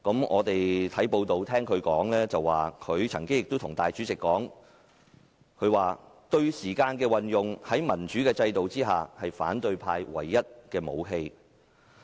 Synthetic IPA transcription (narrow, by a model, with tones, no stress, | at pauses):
kɐ˨˥mŋʔɔ̰ː˨˧t̪e˨jt̪ʰɐ˨˥jpo˧wt̪o˨wt̪ʰɛː˥ŋkʰɵ˨˧ɥkɔː˨˥ŋlɛː˥t͡sɐ˨wːaː˨˩kʰɵ˨˧ɥt͡sʰɐ˨˩ŋkɪ˥ŋjɪ˨k̚t̪o˥t̪ʰʊ˨˩ŋt̪aː˨jt͡ʃyː˨˥t͡sɪ˨kːɔː˨˥ŋ | kʰɵ˨˧ɥwaː˨t̪ɵ˧ɥsiː˨˩kaː˧nkɛː˧wɐ˨njʊ˨ŋhɐ˨˥jmɐ˨˩nt͡ʃyː˨˥kɛː˧t͡sɐ˧jt̪o˨wt͡siː˥ɦa̰ː˨˩hɐ˨jfa̰ː˨˥nt̪ɵ˧ɥpʰaː˧jwɐ̰˨˩jːɐ˥t̚kɛː˧mo̰˨˧wɦe˧j